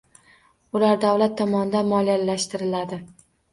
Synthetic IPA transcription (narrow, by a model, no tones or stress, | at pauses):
ʊlaɾd̪awlat̪ʰːɒmɒnɪd̪anmɒlialːaʃt̪ɪɾɪlad̪ɪ